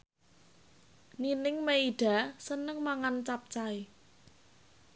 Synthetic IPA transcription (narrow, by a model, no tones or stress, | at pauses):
ninɪŋmeiɖ̥a̤sənəŋmaŋant͡ʃap̚t͡ʃai